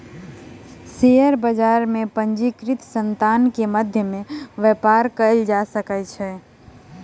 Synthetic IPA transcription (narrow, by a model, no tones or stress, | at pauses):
sejəɾbəd͡ʒaɾmepənd͡ʒikɾit̪sənt̪ankeməd̪ʱjəmẽʋəpaɾkəld͡ʒasəkɛt͡ʃʰɛ